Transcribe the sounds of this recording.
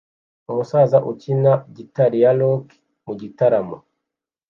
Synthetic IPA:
umusaːzaʔucinaɟitaɾijaloki̥ | muɟitaɾamo̰

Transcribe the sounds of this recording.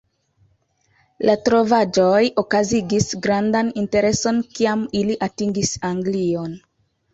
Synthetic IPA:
lʔatɾo̞vad͡ʒojokaziɡisɡɾandaninte̞ɾe̞so̞nkiamiliʔatiŋɡisaŋɡlion

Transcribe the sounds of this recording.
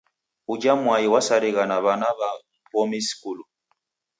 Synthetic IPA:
ud͡ʒamwajiwasaɾiɣanaβanaβa | pɔmisi̥kulu

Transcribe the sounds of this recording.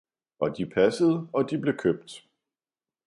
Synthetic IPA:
ʔɒ̽d̥ipʰæsəð̞̩ˠɒ̽d̥ib̥le̝kʰøb̥̚d̥

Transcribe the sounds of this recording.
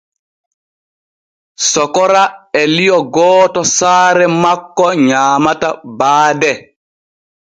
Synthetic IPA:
sɔkɔɾaɛlijɔɡɔːtɔsaːɾɛmakːɔɲaːmatabaːdɛ

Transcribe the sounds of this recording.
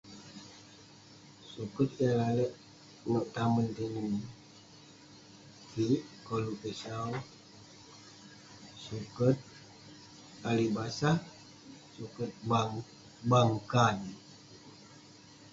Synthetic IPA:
sukət̪̚jalaləʔ | məʔt̪amənt̪əni | kiʔkɔlukəsaw | sukət̪̚ | alibasa | sukət̪̚baŋ | baŋkan

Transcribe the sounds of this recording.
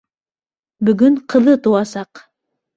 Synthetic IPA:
bɵ̆ɡɵɴqʰɤ̆ðɤt̪uwɑsɑq

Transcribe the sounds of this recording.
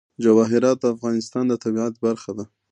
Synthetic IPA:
d͡ʒawɑɦɪɾɑt̪̚d̪əafɣɑnɪst̪ɑnd̪ət̪abiɑt̪baɾxad̪a

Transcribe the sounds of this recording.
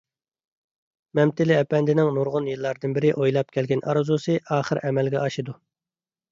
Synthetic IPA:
mɛmt̪ɪlɪɛpɛnd̪ɪnɪŋnuɾʁʊnjɨlˠːɑɾd̪ɨnbɪɾɪʔojlˠɑp̚kʲʰɛlɡʲɛnʔɑ̰ɾɨzusɨʔɑːχəɾʔɛmɛlɡʲɛ̰ʔɑʃɨd̪u

